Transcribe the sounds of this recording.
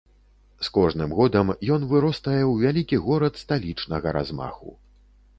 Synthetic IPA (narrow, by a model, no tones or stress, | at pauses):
skɔʐnɨmɣɔd̪ɐmjɔn̪vɨɾɔst̪ɐjɛwvʲalʲikʲiɣɔɾɐt̪st̪alʲit͡ʂnɐɣɐɾʔa̰zma̰xṵ